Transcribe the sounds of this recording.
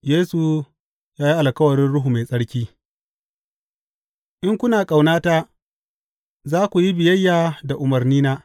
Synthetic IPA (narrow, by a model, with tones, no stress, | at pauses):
jeː˦su˨ | jaː˦ji˦ʔa˨lkɐ˦wɐ˨ɾɪ˦nɽʊ˦ɦu˨ma˨jsʼɐ˦ɽkʲiː˦ | ʔɪ˦ŋkʷʊ˦naː˨kʼa˨wnaː˦taː˦ | zaː˦kʷu˨ji˦bɪ˨jɐ˦jːaː˨da˨ʔʊ˨mɐ˨rniː˦naː˦ʔ